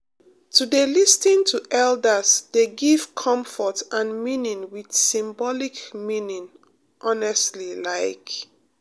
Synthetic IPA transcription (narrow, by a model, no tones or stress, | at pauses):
tʰudelistĩntʰuʔɛldəsdeɡiv̥kʰɔ̃mfɔtãnmĩnĩŋwid̥sĩmbɔlikmĩnĩŋ | ʔɔnɛstlilaɪk